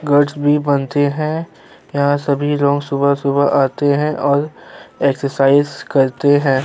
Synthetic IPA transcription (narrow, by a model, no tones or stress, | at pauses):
ɡɐɾɖsbʱibɐnt̪eɦɛ̃ | jɐɦãsɐbʱilɔ̃ːŋɡsʊbasʊbaʔaːt̪eɦɛ̃ʔɔːɾeksəɾsaːɪzkɐɾt̪eɦɛ̃ː